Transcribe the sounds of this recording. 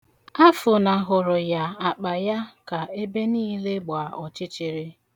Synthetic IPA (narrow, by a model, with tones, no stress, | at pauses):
a˦fʊ˨na˨ɦʊ˨ɾʊ˨ja˨a˨k͡pa˨ja˦ka˨e˦be˦niː˦le˦ɡ͡ba˨ɔ˨t͡ʃɪ˦t͡ʃɪ˨ɾɪ˦